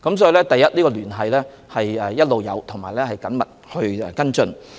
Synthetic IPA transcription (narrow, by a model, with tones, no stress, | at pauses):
kɐ˨˥msɔː˨˥ji˨˧lɛː˥t̪ɐ˨jɐ˥t̚liː˥kɔː˧lyː˨˩nɦɐ˨jlɛː˥ | hɐ˨jɛ˨˩jɐ˥t̚lo˨wjɐ̰˨˧wt̪ʰʊ˨˩ŋmaː˨˩jlɛː˥hɐ˨jkɐ˨˥nmɐ̰˨˩t̚hɵ˧ɥɛ̰˨kɐ˥nt͡sɵ˧n